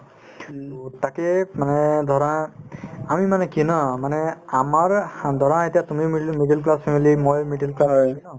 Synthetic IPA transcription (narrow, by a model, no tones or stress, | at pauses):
t̪akemanɛd̪ʱɔɾã | amimanɛkinɔmanɛamaɹd̪ʱɔɾãetijat̪umimmiɖelklaspʰemilimojmiɖelklasɔɔ